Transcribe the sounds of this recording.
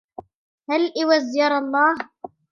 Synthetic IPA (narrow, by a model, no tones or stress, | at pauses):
halʔɪwazjɑɾˤɑlˤːɑːh